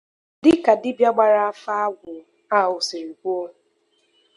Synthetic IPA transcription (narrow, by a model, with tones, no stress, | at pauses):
dɪ˦ka˨dɪ˦bja˦ɡ͡ba˨ɾa˦a˦fa˦a˦ɡʷʊ˨ | a˦˨ʊ˨sɪ˨ɾi˨kʷu˦o˦